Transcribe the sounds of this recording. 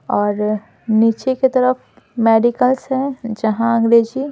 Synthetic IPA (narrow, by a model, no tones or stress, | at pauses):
ɔːɾ | niːt͡ʃeket̪ɐɾəf | meːɖikəlsɦɛ̃d͡ʒɐɦãɐ̃ŋɡɾeːd͡ʒi